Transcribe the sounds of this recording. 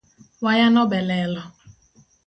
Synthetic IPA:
wajanɔbɛlɛlɔ

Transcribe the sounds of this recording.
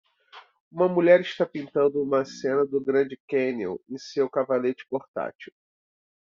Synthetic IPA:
ũmɐmuʎɛɾiʃt̪apĩnt̪ɐ̃nd̪ʊũmɐsẽnɐd̪ʊɡɾɐ̃d͡ʒɪkẽnḛwẽj̃sewkavalet͡ʃɪ̥poɾt̪a̰t͡ʃiw

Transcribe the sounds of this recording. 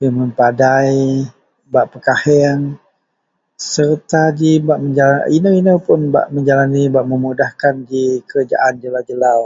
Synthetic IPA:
bəmənpadaj | baʔpəkahɛaŋ | sərt̪ad͡ʒibaʔməɲd͡ʒalainəinəpʊnba̰ʔməɲd͡ʒalanibaʔməmudahkand͡ʒikəɾad͡ʒa̰ʔand͡ʒəlawd͡ʒəlaw

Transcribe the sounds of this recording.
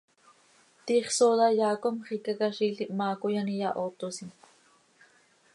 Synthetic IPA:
t̪iːχsoðɑjaːkomχikakaʃiːɬiʔmaːkojanijaʔoːt̪osin

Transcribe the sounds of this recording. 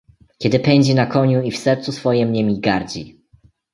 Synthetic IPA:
kʲɛd̪ɘpɛɲd͡ʑinakɔɲuifsɛɾt̪susfɔjɛmɲɛmʲiɡaɾd͡ʑi

